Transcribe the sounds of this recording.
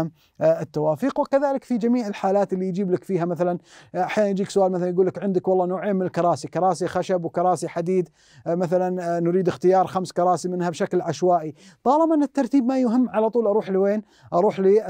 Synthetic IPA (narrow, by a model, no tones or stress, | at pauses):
m | ɪt̪ːawaːfiːqwɪkaðaːlɪkfid͡ʒamiːʕɪlħaːlaːt̪ɪlːijd͡ʒiːblɪkfiːɦamaθalanʔaħjaːnanjd͡ʒiːksʊʔaːlmaθalanjɡuːlːɪkʕɪnd̪ɪkwɑlˤːɑːnoːʕeːmːɪnɪlkɑɾˤɑːsikɑɾˤɑːsixaʃabwkɑɾˤɑːsiħad̪iːd̪ | maθalanːʊɾiːd̪ɪxt̪ɪjɑːɾˤxamskɑɾˤɑːsimɪnhabʃaklʕaʃwaːʔit̪ˤɑːlɪbanɪt̪ːɑɾˤt̪iːbmajʊɦɪmːʕalat̪ˤuːlʔɑɾˤuːħliweːn | ʔɑɾˤuːħli